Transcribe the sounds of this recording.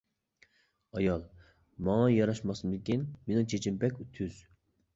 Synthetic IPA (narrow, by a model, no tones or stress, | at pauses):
ɑjɑlˠ | mɑŋɑjɑɾɑʃmɑsmɪkʲinmenɪŋt͡ʃʰet͡ʃʰimpɛkʲt̪ʰyz̥